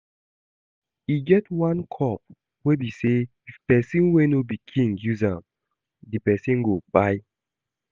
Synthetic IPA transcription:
iɡɛtwãnkʰɔp̚ | webise | ifpɛsĩnwenobikʰĩŋɡjuzãm | dipɛsĩnɡob̥aɪ

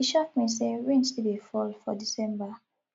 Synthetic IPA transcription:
iʃɔk̚miseɹĩnstibifɔlfɔdisɛ̃mba

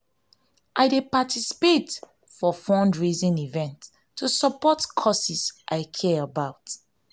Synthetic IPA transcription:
ʔaɪdepatʰisi̥pet | fɔfɔ̃ndɹizĩnivɛ̃ntʰː | usəpɔtkʰɔsisʔaɪkʰɛəbaʊt

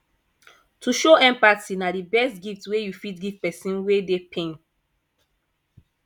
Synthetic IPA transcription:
tuʃoɛ̃mpaksinadibɛstɡiftwejufitɡivpɛsĩnwedepʰẽn

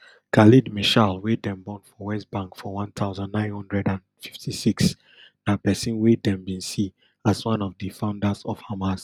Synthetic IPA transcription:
kʰalidmiʃalwedɛ̃mbɔ̃ntfɔwɛstbãŋkfɔwãntʰaʊzãnːãɪ̃nhɔ̃ndɹɛdãnfi̥ftʰisiks | napɛsĩnwedɛ̃mbĩnsi | aswãnɔvdifãʊ̃ndasɔfhamas

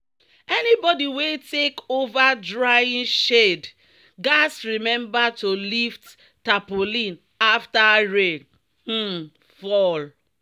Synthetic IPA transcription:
ɛnibɔdiwetekovadɹaĩnʃed | ɡasɹimɛ̃mbatolift | tapolĩn | aftaɹen | h̩ | fɔl

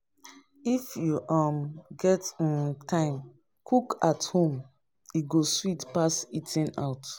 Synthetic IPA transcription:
ifjuʔamɡɛtntʰãɪ̃m | kʰukathõm | iɡoswitpasitʰĩna̰ʊt

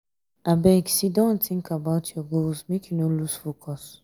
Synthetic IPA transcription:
ʔabɛɡsidõnt̪ɪ̃ŋkabaʊtʰjɔɡolzmekʰjunoluz̥fokʰɔs

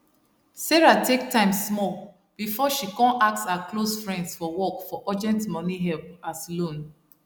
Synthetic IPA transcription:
sɛɹatʰek̚tãɪ̃mssmɔ | b̥ifɔʃikɔ̃naksaaklosfɹɛ̃ndsfɔwɔkfɔʔɔd͡ʒɛ̃ntmɔniɦɛlp̚aslõn

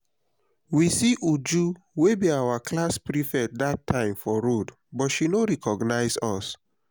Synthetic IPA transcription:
wisiʔud͡ʒu | webiawaklaspɹifɛd̚datʰːãɪ̃mfɔɹod | bɔtʃinoɹɛkɔɡnaɪzɔs

